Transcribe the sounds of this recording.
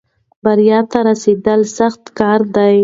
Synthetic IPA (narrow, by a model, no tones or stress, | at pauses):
baɾijɑt̪aɾased̪əlsaxt̪kɑɾd̪aj